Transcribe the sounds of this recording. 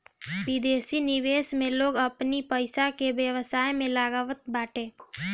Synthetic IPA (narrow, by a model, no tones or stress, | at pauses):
ʋɪd̪eːsinɪʋeːsmẽloːɡəpnipəɪsakeʋjəʋəsaːjmẽlaːɡaʋət̪̚baːʈẽː